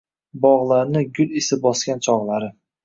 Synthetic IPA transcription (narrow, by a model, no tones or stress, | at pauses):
bɒʁlˠaɾnɪɡʲʊlɪsɪbɒskʲant͡ʃʰɒʁlˠaɾɪ